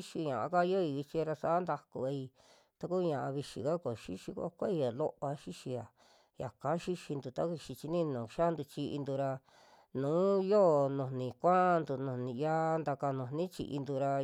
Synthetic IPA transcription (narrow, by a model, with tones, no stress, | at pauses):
i˦ʃi˧ɲã˨ʔa˧ka˦jo˦i˧i˧t͡ʃi˧ɾa˧sa˨˦nd̪a˧ku˧a˧i˧ | t̪a˧ku˦˧ɲã˨ʔa˧βi˧ʃi˨ka˦ko˨ʃi˦ʃi˧ko̰˦˧kʷa˦i˧ja˨lo˦ʔa˧ʃi˦ʃi˧ja˨ | ja˨kã˨˦ʃi˦ʃi˧nd̪u˨t̪a˦βi˧ʃi˧t͡ʃi˧nĩ˦nũ˨ʃa˦nd̪u˧t͡ʃi˧ʔi˧nd̪u˧ɾa˧ | nũː˨˦jo˦˨nũ˨nĩ˨kʷã˦˧nd̪u˧nũ˨nĩ˨ja˦nd̪a˧ka˧nũ˨nĩ˦t͡ʃḭ˧ʔḭ˧nd̪u˧ɾa˧